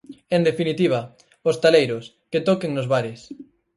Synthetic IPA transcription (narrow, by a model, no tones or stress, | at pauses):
ẽnd̪efinit̪iβ̞ɐ | ʊst̪alejɾʊs | ket̪ɔkeŋnʊzβaɾɪs